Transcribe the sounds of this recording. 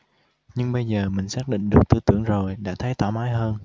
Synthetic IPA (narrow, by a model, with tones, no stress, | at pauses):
ɲɨ˧ŋɓə˧jzəː˨˩mï˨˩ŋ̟saː˦˥k̚ɗḭ̈˧˨ŋ̟ɗɨ˨˩ək̚t̪ɨ˧t̪ɨ˧˩əŋzo˨˩jɗa̰ː˧˥t̪ʰə˨˦jt̪waː˧˩maː˨˦jɦəː˧n